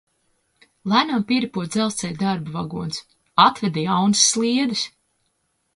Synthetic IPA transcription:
lˠænampiɾipuɔt̪d̪zɛlˠst̪sɛj̪d̪aɾbuvaɡuɔns | at̪vɛd̪ijawnɨsːlˠiɛd̪is

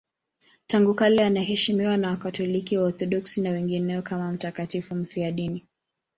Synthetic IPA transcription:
taŋɡukalɛanahɛʃimiwanawakatɔlikiwaɔɾθɔɗɔksinawɛŋɡinɛɔkamam̩takatifum̩fiaɗini

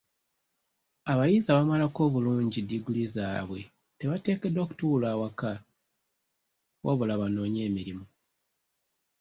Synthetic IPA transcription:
aβajizaβamalako̞ːβuluːɲɟidːiɡulizaːβwe̞ | te̞βate̞ːke̞do̞ːku̥tuːlaːwaka | wʔa̰βulaβano̞ːɲe̞ːmiɾimu

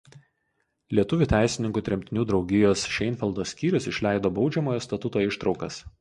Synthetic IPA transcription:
lʲiɛt̪ʊʋʲuːˑt̪ʲæˑɪsʲɪnʲɪŋkuːt̪ʲɾʲɛmʲt̪ʲɪnʲuːd̪ɾɒʊɡʲɪjoːsʃʲɛɪnʲfʲɛlˠd̪oːsʲkʲiːɾʲʊsɪʃʲlʲæɪd̪oːbɒʊd͡ʒʲɛmoːjoːst̪ɐt̪ʊt̪oːɪʃt̪ɾɒʊkɐ̰s

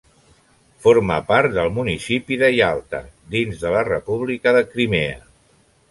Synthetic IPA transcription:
foɾmə̰paɾt̪d̪əlˠmunisipiðəjalˠt̪ə̰d̪inzðələrəpuβlikəðəkɾimeə

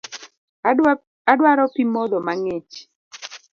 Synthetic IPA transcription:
adwaɾɔpimɔd̪ɔmaŋet͡ʃ

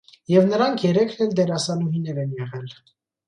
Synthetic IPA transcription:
jɛvnəɾɑŋkʰjɛɾɛkʰnɛld̪ɛɾɑsɑluɦinɛɾɛnjɛʁɛl

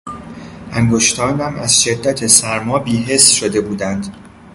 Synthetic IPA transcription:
ʔæŋɡoʃt̪ʰɒːnæmæ̰z̥ʃe̞d̪ːæt̪ʰesæɾmɒːbiːɦe̞sːʃod̪e̞buːd̪ænd̪̥

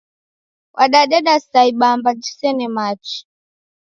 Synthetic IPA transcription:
wʔaɗaɗɛɗasaiɓambad͡ʒi̥sɛnɛmat͡ʃi̥

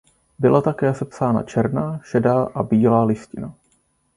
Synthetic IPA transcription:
bɪlʔat̪akɛːsɛpsaːna̰t͡ʃɛɾnaʃɛdaːʔabiːlaːlɪscɪna

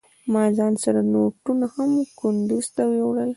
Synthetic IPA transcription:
mɑzɑnsaɾanok̚ʈunahamkʊnd̪uz̥t̪awewɽəl

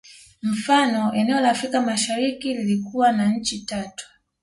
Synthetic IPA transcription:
m̩fanɔɛnɛɔlaːfɾikamaʃaɾikililikuwanaɲ̩t͡ʃitatu̥

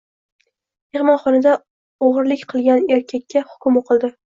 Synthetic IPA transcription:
me̞χmɒnχɒnad̪a | oʁɨɾlɪkʲqʰɨlˠɡʲaneɾkʲʰakʲːahʊ̥kʲʊmoqʰɨlˠd̪ɪ

